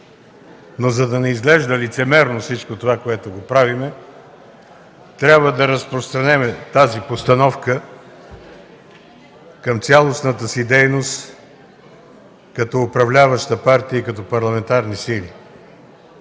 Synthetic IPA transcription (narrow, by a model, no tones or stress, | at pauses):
nozɐd̪ɐnɛizɡlɛʒd̪əlit̪sɛmɛɾnofsit͡ʃkot̪ovakoɛt̪oɡopɾavimɛ | t̪ɾʲabvəd̪ɐɾəspɾost̪ɾɐnɛmɛt̪azipost̪ɐnɔfkə | kəmt̪sʲalˠosnət̪əsid̪ɛjnost̪ | kɐt̪ɔːpɾɐvlʲavəʃt̪əpaɾt̪iəikɐt̪ɔpɐɾlˠɐmɛnt̪aɾnisili